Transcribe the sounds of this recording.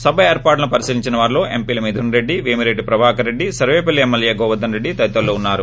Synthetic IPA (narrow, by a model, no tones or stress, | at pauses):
sɐbʱɐeːɾpaːʈlɐnupɐɾisiɾiɲt͡ʃinɐʋaːɾiloːe̞mpiːlɐmid̪ʱunɾe̞ɖːiʋiːmiɾeɖipɾɐbʱaːkɐɾe̞ɖːisɐɾʋeːpɐlːiemːɐljeːɡɔːʋɐd̪ɐnɾe̞ɖːit̪ɐit̪ɐlːoːunːaːɾu